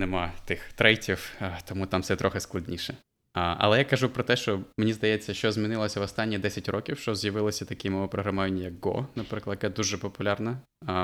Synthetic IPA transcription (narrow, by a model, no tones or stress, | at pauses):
nemɑt̪ɪxt̪ɾɛjtʲiwt̪ɔmut̪ɑmfsɛt̪ɾɔxɪsklˠɐdʲnʲiʃɛ | ɐ̰lˠɛjakɐʒupɾɔt̪ɛʃt͡ʃɔmenʲizd̪ɐjɛt͡sʲːɐʃt͡ʃɔzmʲinɪlˠɔsʲɐʋɔst̪ɑnʲːid̪ɛsʲɐtʲrɔkʲiwʃt͡ʃɔzjɐʋɪlˠɪsʲɐt̪ɐkɪmɔʋɔpɾɔɦɾɐmajɪnʲjɐk̚ɡɔ̰nɐpɾɪklˠɐkɛd̪uʒɛpɔpʊlʲɑrnɐ